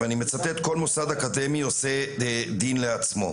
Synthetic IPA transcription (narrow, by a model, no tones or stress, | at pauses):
animet͡sat̪et̪ko̞lmosad̪akade̞mio̞se̞d̪inleat͡smo̞̰